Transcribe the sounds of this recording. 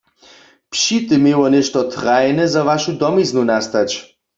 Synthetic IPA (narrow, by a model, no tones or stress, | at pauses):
pʃit̪ɨmːewɔnɛʃt̪ɔt̪ʁajnɛzavaʃud̪ɔmiznunast̪at͡ɕ